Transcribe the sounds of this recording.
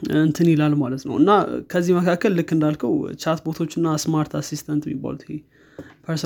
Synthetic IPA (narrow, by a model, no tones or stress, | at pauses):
ɨnt̪ʰɨnilalmalət̪nə̰wɨnːakʰəzːihməkʰakːəlːɨkːɨnd̪alkʰəwt͡ʃat̪bot̪ʰo̞t͡ʃːɨnːasmaɾt̪ʰasist̪ʰant̪ɛmːḭbːa̰lut̪he | pʰəɾs